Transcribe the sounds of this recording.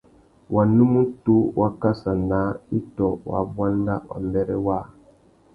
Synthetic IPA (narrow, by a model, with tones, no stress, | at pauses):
wʔa˨nũ˦mũ˦tu˦wʔa˦ka˦sa˨na˨˦i˦tɔ˨wa̰˨bwa˦n˦da˦wa̰˨mbɛ˦ɾɛ˦wa˦˨